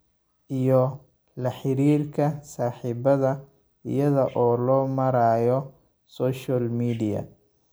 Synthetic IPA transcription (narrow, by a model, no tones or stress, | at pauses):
ʔijɔ | lɐħɪɾiːrkʰɐsaːħiːbɐðɐ | ɪ̰jɐðɐʔɔːlɔːmɐɾaːjɔ | sɔːʃalmiːdɪjɐ̰